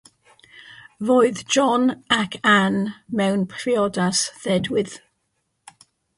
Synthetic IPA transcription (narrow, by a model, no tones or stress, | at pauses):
voɨðd͡ʒɔnakʰanmɛwnpʰriɔdasðɛdwɪð̥